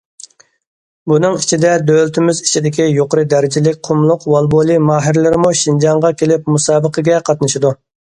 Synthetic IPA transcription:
bunɨŋit͡ʃʰid̪ɛd̪ølɪt̪ʰɪmɪzit͡ʃʰid̪ɪkʲijoqəɾɨd̪æɾɪd͡ʒɪlɪk̚ʲqʰʊmlˠʊqwɑlˠbolˠimɑːɦɪɾlɪɾɪmuʃind͡ʒɑŋʁɑkʲelɪp̚musɑːbəqʰəɡʲɛqʰɑt̪nɨʃid̪u

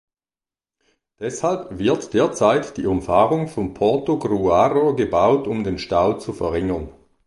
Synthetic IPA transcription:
d̥ɛshalpvɪɐtd̥eːɐt͡saɪtd̥iːʊmfaːʁʊŋfɔmpʰɔɐtoɡʁuaːʁoɡəbaʊtʊmdeːnʃtaʊt͡sufɛɐʁɪŋən

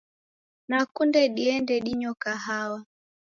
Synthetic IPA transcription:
nakundɛɗiɛndɛɗiɲɔkaɦawa

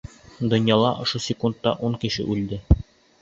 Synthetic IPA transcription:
d̪ŏnjɑlˠɑʔŏʃosʲɪkunt̪ːɑʔuŋkɘ̆ɕɘ̰ʔʉld̪ɘ

